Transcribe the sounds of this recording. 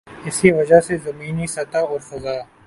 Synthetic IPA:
ɪsiʋɐd͡ʒasezɐmiːnisɐt̪aɔːɾsɐzaː

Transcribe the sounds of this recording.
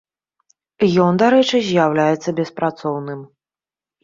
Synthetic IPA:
jɔnd̪aɾɛt͡ʂɨzʲjawlʲajɛt̪sːɐbʲɛspɾat̪sɔwnɨm

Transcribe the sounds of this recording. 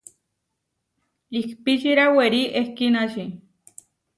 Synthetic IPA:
ikpit͡ʃiɾaweɾiʔehkinaʃi

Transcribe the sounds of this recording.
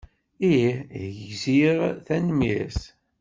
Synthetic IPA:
iʝziʁθænmjæ̰s

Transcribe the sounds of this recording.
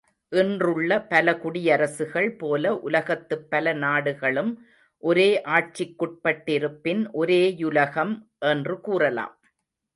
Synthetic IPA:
ʔɪndrɯɭːɐpɐlɐkʊɽɪjɐɾɐsɯɣɐɭpoːlɐʔʊlɐɣɐt̪ːɯpːɐlɐnaːɽɯɣɐɭɯm | ʔɔɾeːʔaːʈ̚t͡ʃɪkːɔʈ̚pɐʈːɪɾɯpːɪnʔɔɾeːjʊlɐɣɐmʔɛndrɯkuːrɐla̰ːm

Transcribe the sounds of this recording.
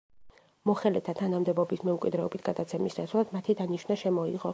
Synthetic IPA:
mɔχɛlɛt̪ʰat̪ʰanamd̪ɛbɔbismɛmkʼwid̪ɾɛɔbit̪ʰɡ̥ad̪at̪sʰɛmisd̪asʰlˠad̪mat̪ʰid̪aniʃvnaʃɛmɔḭʁɔ

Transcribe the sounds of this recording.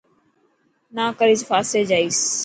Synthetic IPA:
naːkəɾiːzfaːseːd͡ʒaːiːs

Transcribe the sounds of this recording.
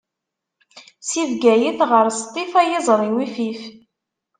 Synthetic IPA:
sivɡæjiθʁəɾst̪ˤːifæjɪzˤɾˤiwifif

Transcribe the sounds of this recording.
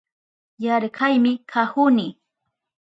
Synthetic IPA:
jaɾɢajmɪkʰahʊnɪ

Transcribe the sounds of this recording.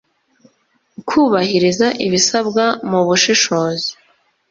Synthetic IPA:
kʰuːβahiɾizaʔiβisab̚ɡamuβuʃiʃo̞ːzi̥

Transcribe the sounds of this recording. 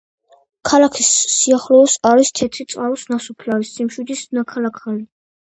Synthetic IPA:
kʰalakʰisːiaχlɔːsaɾist̪ʰɛt̪ʰɾit̪sʼqʼalɔsnasupʰlaɾisːimʃwid̪isnakʰalakʰali

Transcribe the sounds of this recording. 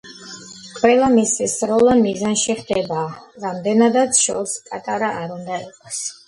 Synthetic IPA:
kʼwɛlˠamisisɾɔlˠanmizanʃiχd̪ɛbaːɾamd̪ɛnad̪at̪sʰʃɔ̰ɾspʼat̪ʼaɾaʔaɾund̪aiqʼɔs

